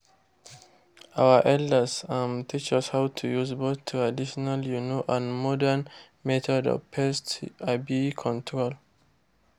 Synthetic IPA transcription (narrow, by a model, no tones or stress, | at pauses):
awəʔɛldəsãmtʰit͡ʃashawtʰujuzboθtʰːuadiʃɔnaljunoʔãnmɔdən | mɛt̪ʰɔdɔ̰pʰɛstabikʰɔ̃ntʰɹol